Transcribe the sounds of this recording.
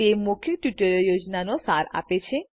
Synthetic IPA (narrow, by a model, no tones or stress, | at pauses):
emukʰjoʈjuʈoɾjod͡ʑnanosaɾa̰pet͡ɕʰe